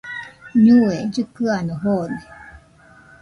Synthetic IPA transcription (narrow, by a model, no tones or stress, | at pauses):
ɲued͡ʒɨkɯanoɦone